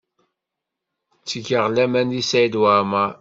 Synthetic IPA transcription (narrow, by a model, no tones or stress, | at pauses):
t͡sːəɡəʁlæmænðisæjd̪wama